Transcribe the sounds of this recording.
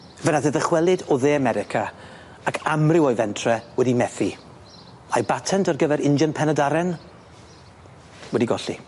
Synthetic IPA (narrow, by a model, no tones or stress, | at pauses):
vənaðɛðəχwɛlˠɪdɔðeːamɛɾɪkʰa | akʰamrɪwɔjvɛntʰrɛwɛdimɛθi | ajbatʰɛntʰarɡəvɛɾɪnd͡ʒənpʰɛnadaɾɛn | wɛdiɡɔɬḭ